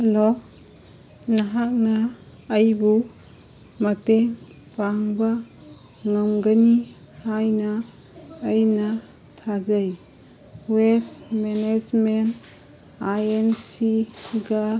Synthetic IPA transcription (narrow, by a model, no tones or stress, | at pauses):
helo | naɦak̚naː | jbu | mɐteŋ | paŋba | ŋamɡani | hajnaː | jna | tʰazaj | wesmened͡ʒmen | ajensiɡa